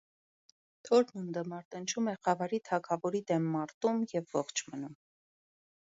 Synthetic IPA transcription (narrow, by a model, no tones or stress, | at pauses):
t̪ʰɔɾnund̪əmɑɾt̪ənt͡ʃʰumɛχɑvɑɾit̪ʰɑkʰɑvɔɾid̪ɛmːɑɾt̪umjɛvːɔχt͡ʃʰmənum